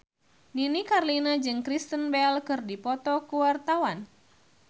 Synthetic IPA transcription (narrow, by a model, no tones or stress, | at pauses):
ninikarlinad͡ʒɨŋkɾist̪ənbɛlkɨrdipɔt̪ɔkuwart̪awan